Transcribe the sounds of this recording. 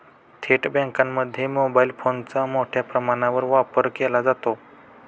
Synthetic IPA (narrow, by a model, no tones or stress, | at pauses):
t̪ʰeʈbɛ̃ŋkãnːəd̪ʱjemobailfʰont͡samoʈʰjapɾəmaɳ̃aʋəɾʋapəɾkɛlad͡zat̪o